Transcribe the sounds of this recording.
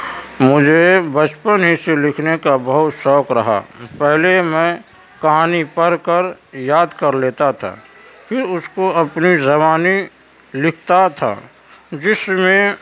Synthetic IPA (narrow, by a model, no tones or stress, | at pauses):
mʊd͡ʒʱebət͡ʃpənɦiselɪkʰnekabəɦʊt̪ʃɔːkɾəɦa̰pɛɦlemɛ̃ | kəɦaːnipəɾkəɾjaːd̪kəɾleːt̪at̪ʰa̰ | pʰɪɾʊskoɐpnizəbaːni | lɪkʰt̪at̪ʰa̰ | d͡ʒɪsmẽ